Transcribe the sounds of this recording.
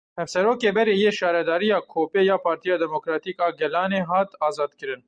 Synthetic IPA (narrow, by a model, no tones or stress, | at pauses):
hɛvsɛɾoːkeːbɛɾejeːʃɑːɾɛd̪ɑːɾijɑːkʰoːpejɑːpʰɑːɾt̪ʰijɑːd̪ɛmokɾɑːt̪iːkɑːɡɛlɑːneːɦɑːt̪ɑːzɑːd̪kɨɾɨn